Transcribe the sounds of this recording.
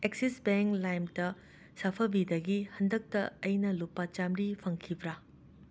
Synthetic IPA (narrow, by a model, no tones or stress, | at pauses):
eksisbeŋklajmtɐ | sapʰɐbidɐɡihɐndɐk̚tɐɐjnɐlupːɐt͡ʃamɾipʰɐŋkʰibɾa